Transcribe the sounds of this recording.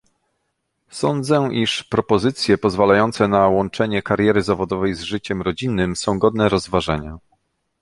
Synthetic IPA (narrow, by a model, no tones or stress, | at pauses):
sɔnd̪zɛʔiʂpɾɔpɔzɘt̪sʲjɛpɔzvalajɔnt̪sɛnawɔnt͡ʂɛɲɛkaɾjɛɾɘzavɔd̪ɔvɛjzʐɘt͡ɕɛmɾɔd͡ʑinːɘmsɔ̃w̃ɡɔd̪nɛɾɔzvaʐɛɲa